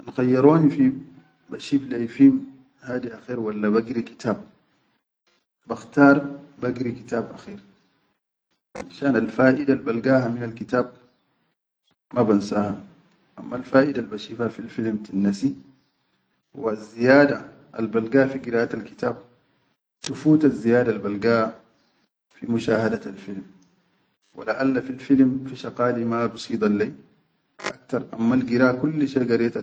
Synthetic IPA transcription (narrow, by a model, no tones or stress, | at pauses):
ʔanxajːɑɾoːnifi | baʃiːflajfiːm | haːd̪iʔaxiːɾwalːabaɡɾiki̥t̪ʰaːb̚ | baxt̪ɑːɾˤbaɡɾikit̪aːbʔaxiːɾ | ʔa̰nʃaːnalfaːʔidalbalɡaːɦaminalkit̪aːb̚ | mabansaha | ʔamːalfaːʔidalbaʃiːfhafilfilmt̪anːasi | wazːijaːd̪a | ʔa̰lbalɡaːfiɡiɾaːʔat̪alki̥t̪aːb̚ | t̪ufuːt̪azːijaːdalbalɡaːh | fimuʃaːhad̪aalfilm | wa̰laʔalːafilfilmfiʃɑqaːlimabɨsˤiːd̪ˤaleː | ʔak̚t̪ɑɾˤʔa̰mːalɡiɾaːkulːʃeɡɑɾet̪a